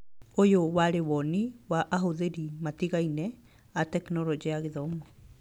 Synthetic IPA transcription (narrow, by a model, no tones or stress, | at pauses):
ojowaɾewɔniwaʔaɦoðeɾimatiɣainɛ | atɛknɔɾɔd͡ʒiaɣeðɔmɔ